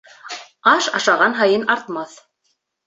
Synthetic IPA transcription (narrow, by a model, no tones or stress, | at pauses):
ɑʃɑʃɑʁɑnɦɑjɤnɑɾt̪mɑθ